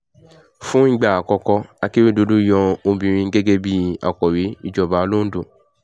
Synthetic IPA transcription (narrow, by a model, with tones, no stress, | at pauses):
fũ˦ŋ̩˦ɡ͡ba˨a˨kɔ˧kɔ˧a˧ki˦ɾi˦do˨˧du˦jɔ̃˧o˧bĩ˧ɾ̃ĩ˧˦ɡe˦ɡe˦bi˦˨a̰˨kɔ˨ɾi˨˦i˦˨d͡ʒɔ˨ba˨˧˦lo˦n̩˦du˦˨